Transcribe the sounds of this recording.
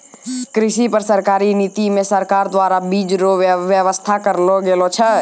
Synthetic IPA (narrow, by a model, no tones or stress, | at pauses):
kɾɪʃipəɾsəɾkaːɾiniːt̪imẽsəɾkaːɾd̪waːɾabiːd͡ʒɾoʋjəʋəst̪ʰakəɾloɡelot͡ʃʰə